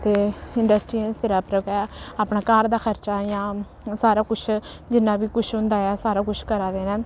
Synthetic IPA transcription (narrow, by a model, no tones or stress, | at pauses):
t̪eːɪɳɖəsʈɾiːə̃ːst̪eɾaːpɾəkɛːaːpnaːkaːɾd̪aːxʰəɾt͡ʃaːjãː | saːɾaːkʊt͡ʃʰ | d͡ʒɪnːãːbiːkʊʃʰɦʊ̃nd̪aːɛːsaːɾaːkʊt͡ʃʰkəɾaːd̪eːnɛ̃ː